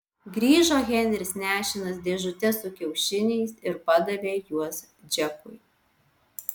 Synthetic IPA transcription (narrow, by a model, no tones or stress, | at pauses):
ɡɾʲiːʒoːɣʲɛnʲɾʲɪsnʲæːʃʲɪnɐs̬d̪ʲeːʒʊt̪ʲɛsʊkʲɛʊʃʲɪnʲɛɪsɪɾpɐd̪ɐʋʲeːjuɔs | d͡ʒʲɛkʊ̰ɪ